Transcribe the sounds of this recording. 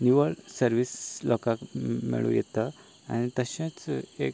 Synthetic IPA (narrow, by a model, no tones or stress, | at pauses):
nuʋəɭsəɾʋislɔkakmḭɭṵ̃jɛt̪a | a̰nit̪əɕãt͡sek